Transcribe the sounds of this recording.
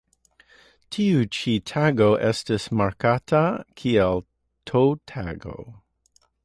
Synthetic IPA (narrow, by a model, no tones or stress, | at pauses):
tʰiut͡ʃitʰaɡoʔɛstɪsmaɹkʰatʰakʰiɛl | tʰoʊtʰa̰ɡo̰